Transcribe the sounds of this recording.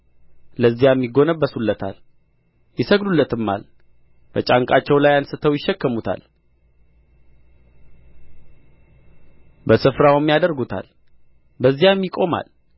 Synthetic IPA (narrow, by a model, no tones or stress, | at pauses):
ləzːijamːiɡo̞nəbːəsulːət̪ʰa̰l | jɪsəɡdulːət̪ʰɨmːa̰l | b̥ət͡ʃʼaŋkʼat͡ʃːɛwlajansɨt̪ʰəwjɪʃːɛkːəmut̪ʰa̰l | bəsɨfɾawmːjad̪əɾɡut̪ʰa̰l | bəzːijamjɪkʼo̞ma̰l